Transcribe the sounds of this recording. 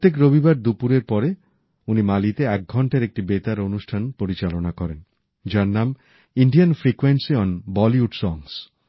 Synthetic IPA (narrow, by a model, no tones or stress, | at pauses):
ot̪ːek̬ɾobibaɾd̪upuɾeɾpɔɾe | unimalit̪eɛk̚ɡʱɔɳʈaɾek̚ʈibet̪aɾonuʃʈʰanpoɾit͡ɕalonakɔɾen | d͡ʑaɾnam | iɳɖianfɾikwensiɔnbɔliuɖsɔŋs